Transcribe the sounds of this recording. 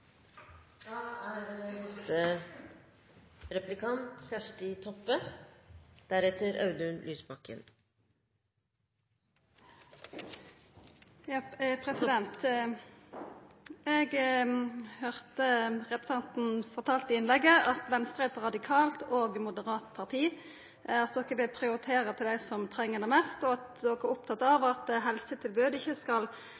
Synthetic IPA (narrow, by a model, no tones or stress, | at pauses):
d̪̥ɑːæmɛst̪ə | ɾɛplɪkʰɑnt̪sæʂʈɪt̪ʰɔpːə | d̪̥æɾɛt̪ʰəɾʔɑʉd̪ʉnlʔyːsbɑkə̰n | jɑpʰʁɛsɪd̪ɛnt̪ | ɛɡ | høʁt̪əʁɛpə̥sɑnt̪n̩fɔʁt̪ʰɑːlt̪ɪɪnlɛɡəʔɑt̪ʋɛnst̪ʁəɛt̪ʁɑd̪ɪkʰɑːlt̪oːɡmʊd̪əʁɑːt̪pʰɑʁt̪ʰiː | ɑt̪̚d̪ɔkːəbɪlpʰʁɪʊʁɪt̪ʰeːʁət̪ʰɪld̪æɪsɔmt̪ʰʁɛŋːəd̪ɛmɛst̪ɔɑt̪d̪ɔkːəæʊp̚t̪ʰɑt̪ːɑʋɑt̪ɦɛlsət̪ʰɪlbøːd̪əɪçəskɑl